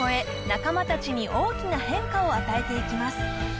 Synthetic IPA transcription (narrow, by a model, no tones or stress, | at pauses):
oe̞ | nakamat̪at͡ɕiɲ̟iʔo̞ːkʲinahẽ̞ŋkao̞at̪ae̞t̪e̞ikʲimasɨ̥